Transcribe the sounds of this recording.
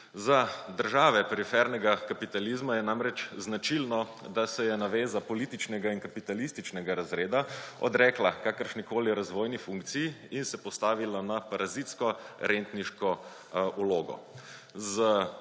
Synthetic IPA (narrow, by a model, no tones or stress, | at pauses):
zad̪əɾʒaːʋɛpɛɾifɛɾnɛɡakapit̪alizmajɛnamɾɛt͡ʃznat͡ʃilnɔd̪asɛjɛnaʋeːzapɔlit̪it͡ʃnɛɡainkapit̪alist̪it͡ʃnɛɡaɾazɾeːd̪aɔ̰d̪ɾɛːklakakəɾʃnikoːliɾazʋoːjnifuŋkt̪sijiinsɛpɔst̪aːʋilanapaɾʔazit̪skɔɾent̪niʃkɔ | uloːɡɔ̰ | zə